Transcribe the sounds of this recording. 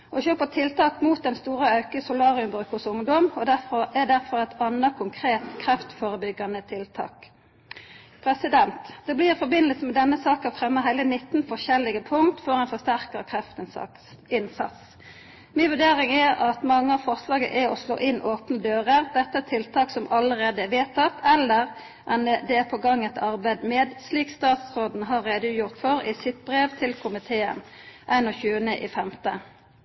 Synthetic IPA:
ʔɔçøːpət̪ʰɪlt̪ɑːkmuːt̪̚d̪ɛnst̪uːʁəɑʉkəsʊlɑːʁɪʉmbʁʉːkhʊsʊŋd̪ɔmɔd̪æʁfɔɛd̪æʁfɔʁɛt̪ʰɑnəkʰʊŋkʰʁeːt̪kʰɾɛft̪foːʁəbʏɡːɑnət̪ʰɪlt̪ʰɑ̰ːk | pʰʁɛsɪd̪ɛnt̪d̪̥ɛblɪfɔbɪnəlsəmɛd̪ɛnːəsɑːkəfʁɛmːəɦhæɪlənɪt̪ːn̩fɔʃɛlɪɡəpʰʊŋt̪fɔʁɛnfɔst̪æʁkəkʰʁɛft̪ | ɪnsɑ̰t̪s | mɪnʋʉɖ̪eːʁɪŋæɾɑt̪mɑŋːəɑʋfɔʁslɑːɡə̰ʔæɔslo̰ːʔɪnːʔoːpnəd̪øːʁəʁd̪ɛt̪ːəɛt̪ʰːɪlt̪ʰɑːksɔmʔɑləʁeːd̪əʋeːt̪ʰːɑt̪ʰːɛlːəʁ | ʔɛnd̪ɛæpʰɔɡɑŋːɛt̪ʰɑʁbæɪd̪meːd̪sliːkst̪ɑːt̪sʁoːd̪n̩ɦɑʁːeːd̪əʉjʊʁt̪fɔɾɪsɪt̪̚bʁeːʋt̪ʰɪlkʰʊmɪt̪ʰeːə̰nʔæɪnɔçʉːənəʔiːfɛmt̪ə

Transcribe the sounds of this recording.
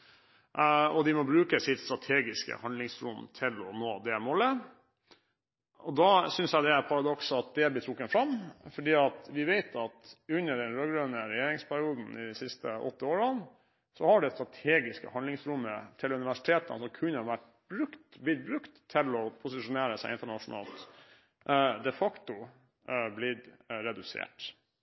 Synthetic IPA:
ɔd̪ɪmɔbɾʉːkəsɪt̪st̪ɾɑt̪ʰeːɡɪskə̰hɑnd̪lɪŋsɾʊ̰mt̪ʰɪlɔ̰noːd̪ɛmɔlːə | ɔd̪ɑsʏnsjæd̪ɛæɾpʰɑɾɑd̪ɔksɑt̪̚d̪ɛblɪt̪ʰɾʊkːənfɾɑmfɔɖiːɑt̪ʋɪʋeɪt̪ʰɑt̪ʉnːəɖɛnɾøːɡɾøːnəɾɛjeːɾɪŋspʰæɾɪuːd̪n̩ɪsɪst̪əʔɔ̰t̪ːəoːɾən | sɔhɑɖɛst̪ɾɑt̪ʰeːɡɪskə̰hɑnd̪ɪŋsɾʊmːət̪ʰɪlʉnɪʋæʂɪ̥t̪ʰeːt̪ənsɔmkʰʉnːəʋæʈː | bɾʉkt̪blɪt̪̚bɾʉkt̪ʰːɪlɔpʰʊsɪʂʊneːɾəsæɪɪnt̪əɳɑʂʊnɑ̰ːlt̪ | d̪ɛfɑkt̪ʊ | blɪt̪ːɾɛd̪ʉsḛːʈ

